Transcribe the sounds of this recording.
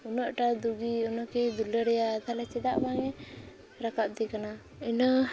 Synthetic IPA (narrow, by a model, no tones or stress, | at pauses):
unɔʔʈad̪uɡiɔnɔʔkɛd̪uləɾɛjad̪alɛt͡ʃɛd̪aʔbaŋɛ | ɾakap̚d̪ɛkana | ina